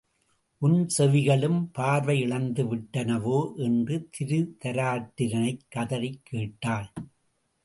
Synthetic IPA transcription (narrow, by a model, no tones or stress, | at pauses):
ʔʊnsɛʋɪɣɐɭɯmpaːɾʋɐɪɪɭɐnd̪ɯʋɪʈːɐnɐʋoːʔɛndrɯt̪ʰɪɾɯt̪ɐɾaːʈːɪɾɐnɐɪkːɐðɐɾɐɪkːeːʈːaːl